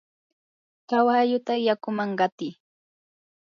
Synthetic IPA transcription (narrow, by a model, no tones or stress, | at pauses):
kawajʊt̪ajakʊmaɴɢɑt̪ɪ